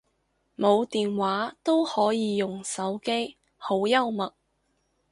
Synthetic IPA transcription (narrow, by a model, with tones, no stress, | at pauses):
mo˨˧wt̪iː˨nwaː˨˥t̪o˥whɔː˨˥jiː˨˧jʊ˨ŋsɐ˨˥wke˥j | ho˨˥wjɐ˥wmɐ˨t̚